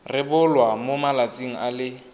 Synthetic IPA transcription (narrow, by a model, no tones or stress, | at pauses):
rɪbʊlwamomalat͡sʼiŋ̩ʔalɪ